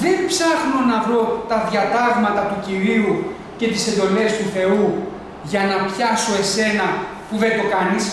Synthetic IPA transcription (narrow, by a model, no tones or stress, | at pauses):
ðe̞npsɐxnonɐvɾo̞t̪ɐðʝɐt̪ɐvmɐt̪ɐt̪uciɾiu | ce̞t̪ise̞nd̪o̞le̞st̪uθe̞u | ʝɐnɐpçɐso̞e̞se̞nɐ | puðe̞t̪o̞kɐnis